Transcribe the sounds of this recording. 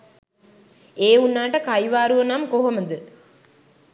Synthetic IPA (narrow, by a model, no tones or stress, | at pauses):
eːunːaːʈəkajʋaːɾuʋənamkoɦoməd̪ə